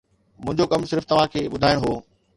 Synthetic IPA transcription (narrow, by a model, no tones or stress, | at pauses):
mʊ̃ɦɪ̃ɲd͡ʑokɐmsɪɾft̪ɐʋ̤ãkʰeːɓʊd̪ʱaːɪɽ̃ɦoː